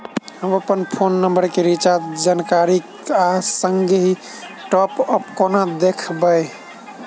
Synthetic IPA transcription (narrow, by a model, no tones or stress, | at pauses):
ɦəməpənpʰonːəmbəɾkeɾit͡ʃat̪d͡ʒankaɾik | asəŋɡeɦi | ʈɔpəpkonad̪ekʰbəj